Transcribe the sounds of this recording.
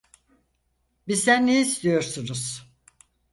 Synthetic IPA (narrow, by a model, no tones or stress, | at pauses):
bizt̪ænːejiːst̪ijo̞ɾsunuz̥